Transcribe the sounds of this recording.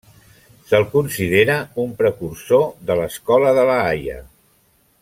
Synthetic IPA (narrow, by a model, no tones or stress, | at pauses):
səlˠkunsið̞eɾəumpɾəkursoðələskɔləðələajə̰